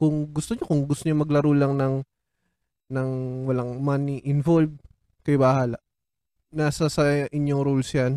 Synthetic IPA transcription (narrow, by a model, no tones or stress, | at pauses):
kʊŋɡʊst̪oɲokʊŋɡʊst̪oɲomɐɡlɐɾuːlɐŋnɐŋ | nɐŋwɐlaŋmaniʔɪnvolb̚ | kɐjbahaːlɐʔ | naːsɐsɐʔɪɲːoŋɾolsjan